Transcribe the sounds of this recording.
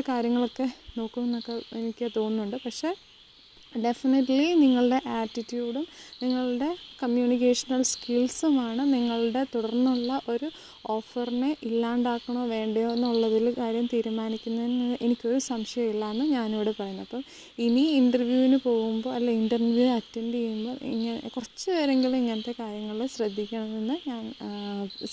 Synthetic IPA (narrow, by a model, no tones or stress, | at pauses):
kaːɾjɐŋːɐɭo̞kːe̞no̞ːkːumːenːokːe̞enikʲːt̪o̞ːnːuɳɖɨpɐkʂe̞ː | ɖe̞finɐʈliniŋːɐɭɨɽe̞ʔaːʈːitːjuːɽumniŋːɐɭɽe̞kɐmjuːnik̬eːʂɐnɐlskilsumaːɳɨniŋːɐɭɽe̞t̪uɽɐrnːuɭːɐʔo̞ɾu | o̞ːfɐrineʔilːaːuɳɖaːkːɐɳoːʋe̞ːɳɖejonːuɭːɐðilkaːɾjɐmt̪iːɾumaːnikʲːunːɐðenːɐɨʔe̞nikʲːo̞ɾusɐmʂɐjɐmilːaːenːɨɲaːnuʋːɽepɐrɐjunːɐpːɐm | iniinɖɐrʋjuːʋinɨpo̞ːɣumbo̞ːɐlːɐiɳɖɐrnʋjuɐtːenɖejumbo̞ːḭŋːɐnḛkurɐt͡ɕːɨʋeːɾeŋɡilmiŋːɐnɐt̪ːe̞kaːɾjɐŋːɐɭiɭɕrɐd̪ʱːikʲːɐɳɐðenːɨɲaːn